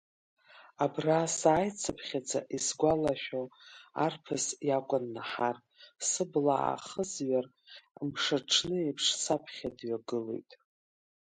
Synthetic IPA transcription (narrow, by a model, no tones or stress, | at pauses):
abrasaːjt͡sʰapʰχʲad͡zʼa̰ʔisɡʷalaʃʲᶣoa̰rpʰɨsjakʷʼʊnːaħar | sɨblaʔa̰χəzɥar | mʂaʈ͡ʂʰnɨepʰʂsapʰχʲadɥaɡɨlḛjtʼ